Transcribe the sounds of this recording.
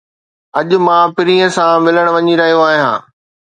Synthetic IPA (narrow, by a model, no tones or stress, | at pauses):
ɐʄʊ̆mãːpɪɾiːə̃sãmɪləɽ̃ʋɐɲiɾɐɦijoaːɦijã̰ː